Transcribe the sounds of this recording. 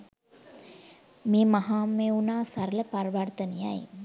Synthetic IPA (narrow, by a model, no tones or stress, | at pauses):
miːmaɦaːmeunaːsaɾələpaɾʋaɾt̪ənija̰j